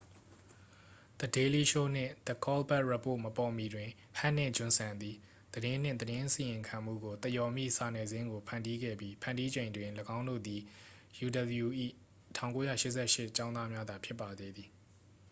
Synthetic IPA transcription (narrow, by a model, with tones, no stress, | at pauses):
d̪̥ə˨de˨li˦ʃo˦n̥ɪ̰̃˦˨d̪̥ə˨kɔ˦lbɛ˦ʔɹa˦po̰˦˨məpɔ˨mi˨dwɪ̃˨ | hã˦˨n̥ɪ̰̃˦˨d͡ʑʊ̃˨nsʰã˨nd̪i˨ | d̪əɾɪ̃˦n̥ɪ̃˦˨d̪əɾɪ̃˦ʔsi˨jɪ̃˨ŋkʰã˨m̥ṵ˦˨ɡo˨t̪ə˦˨jɔ˨mjḭ˦˨sa˨nɛ˨zɪ̃˦ŋɡo˨pʰã˨ndi˦ɡɛ̰˦˨bji˦pʰã˨ndi˦d͡ʑẽ˨ɪ̃ndwɪ̃˨ləɡã˦ʊ̃ndo̰˦˨d̪i˨ | ju˨də˨bju˨ʔḭ˦˨ | tʰã˨ʊ̃ŋko˦jä̰˦˨ʃɪ˦ʔsɛ˦˨ʃɪ˦˨t͡ɕã˦ʊ̃nða˦mja˦d̪a˨pʰjɪ˦pːa˨d̪e˦˨d̪i˨